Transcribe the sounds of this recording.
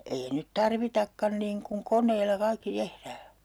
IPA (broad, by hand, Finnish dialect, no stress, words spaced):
ei nyt tɑrʋitɑkːɑn niːŋ kuŋ konˑeilːɑ kɑikːi tehræː